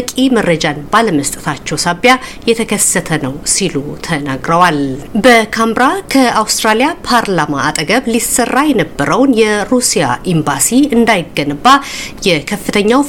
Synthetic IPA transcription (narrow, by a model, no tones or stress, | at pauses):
kʼimərːəd͡ʒanbaləməst̪ʼɨt̪ʰat͡ʃːɛwsaβjajɛt̪ʰəkʰəsːət̪ʰənəwsilut̪ʰənaɡɾəwalbəkʰambɾakʰəawst̪ʼɾalijapʰaɾlamaːt̪ʼɡəβlisərːajɛnəbːəɾəwnjɛɾusija̰ʔimbasiɨnd̪ajɪɡːənbajɛkʰəfːɨt̪ʰəɲːaw